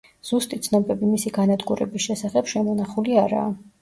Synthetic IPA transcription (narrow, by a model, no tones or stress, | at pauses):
z̥ust̪ʼit̪sʰnɔbɛbimisiɡanad̪ɡuɾɛ̰bisʃɛsaχɛbʃɛmɔnaχuliaɾa̰ː